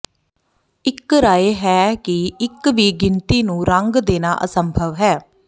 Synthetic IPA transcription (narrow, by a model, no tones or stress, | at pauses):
ɪkɾaːeːɦɛːkɪɪkʋiːɡɪnt̪iːnũːɾəŋɡd̪eːna̰ːʔə̰səmbʱəʋɦɛː